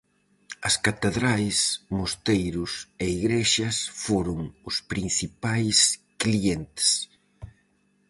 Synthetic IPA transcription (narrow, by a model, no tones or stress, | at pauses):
ɐskat̪eðɾajsmost̪ejɾʊseiɣɾeʃɐsfoɾʊŋʊspɾin̟θipajs | klient̪ɪ̥s